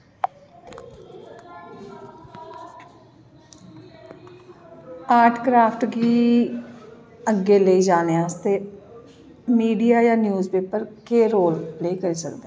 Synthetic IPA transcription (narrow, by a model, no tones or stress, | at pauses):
aːɾʈʰkɾaːpʰʈɡiː | əɡːeːləiːd͡ʒaːneaːst̪eː | miːɖijaːjãːnjuːzpeːpəɾkeːɾoːlpleːkəɾiːsə̰kd̪e